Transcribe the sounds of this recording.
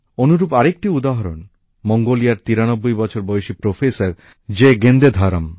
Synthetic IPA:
onuɾupaɾek̚ʈiud̪aɦɔɾon | moŋɡolijaɾt̪iɾañɔbːojbɔt͡ʃʰɔɾbɔjʃipɾofʰesaɾ | d͡ʑeɡend̪ed̪ʱaɾa̰m

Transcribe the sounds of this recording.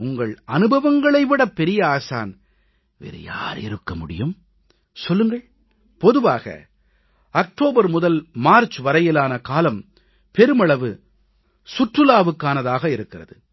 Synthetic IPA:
ʊŋɡɐɭɐnɯbɐʋɐŋɡɐɭɐɪʋɪɽɐpːɛɾɪjɐaːsa̰ːn | ʋɛ̰ɾɯ̰ja̰ːɾɪ̰ɾɯkːɐmʊɽɪ̰jɯm | sɔlːɯŋɡɐɭ | pɔðɯʋaːɣɐ̰ | ɐk̚ʈoːbɐɾmʊðɐlmaːɾt͡ʃʋɐɾɐjɪlaːnɐkaːlɐm | pɛɾɯmɐɭɐʋɯ | sʊʈrɯlaːʋɯkːaːnɐðaːɣɐɪɾɯkːɪrɐðɯ

